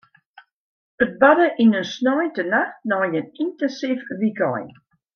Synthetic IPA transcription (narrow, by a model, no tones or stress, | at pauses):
ət̚badəʔinənsnɔjtənaxnɔjənintɛnsifʋikɔ̰j